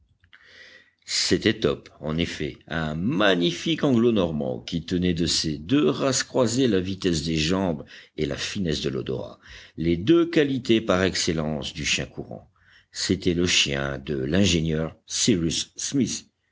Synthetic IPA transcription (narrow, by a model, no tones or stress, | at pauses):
set̪ɛt̪ɔpɑ̃nefɛɛ̃maɲifikɑ̃ɡlonɔʁmɑ̰̃kʲit̪ənɛd̪əsed̪øʁaskχwazelavit̪ɛsd̪eʒɑ̃bela̰finɛsd̪əlɔ̰d̪ɔ̰ʁa̰led̪økalit̪epaʁɛkselɑ̃sd̪yʃjɛ̃kuʁɑ̰̃ | set̪ɛləʃjɛ̰̃d̪əlɛ̃ʒenjœʁsiʁysːmis